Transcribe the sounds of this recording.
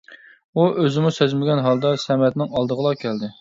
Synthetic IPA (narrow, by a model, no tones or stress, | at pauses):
uʔøzɪmusøzmɪɡʲɛnɦɑlˠd̪ɑsɛmɛt̪nɪŋɑlˠd̪əʁəlˠɑkʲʰɛld̪ɪ